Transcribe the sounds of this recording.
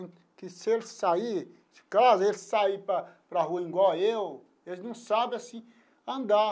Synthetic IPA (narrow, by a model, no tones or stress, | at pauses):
kɪselɪsaiɾ | d͡ʒɪ̥kazɐelɪsaipɾɐpɾɐɦuɐĩɡɔew | elɪznɐ̃w̃sabɪasĩ | ɐ̃nd̪a